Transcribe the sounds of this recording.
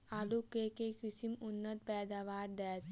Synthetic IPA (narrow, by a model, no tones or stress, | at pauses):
alukeːkekɾisimunːət̪̚pɛːd̪aʋaːɾd̪ɛːt̪